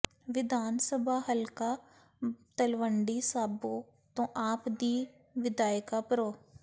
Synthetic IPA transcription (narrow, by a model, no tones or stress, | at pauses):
ʋɪd̪aːnsəbaːɦəlkaː | t̪əlʋəɳɖiːsaːboː | t̪õːʔaːpd̪iː | ʋɪd̪aːɪkaːpəɾoː